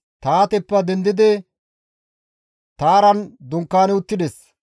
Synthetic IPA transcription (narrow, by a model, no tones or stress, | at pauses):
t̪aːt̪ɛpːɐd̪ɛnd̪ɪd̪ɪ | t̪aːɾɐnd̪ʊŋkːaːnɛʊt̪ːɪd̪ɛs